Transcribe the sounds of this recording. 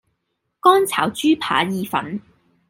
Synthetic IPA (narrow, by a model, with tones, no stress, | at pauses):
kɔː˥nt͡sʰa̰ː˨˩wt͡ʃyː˥pʰa̰ː˨˥jiː˨˧fɐ̰˨˥n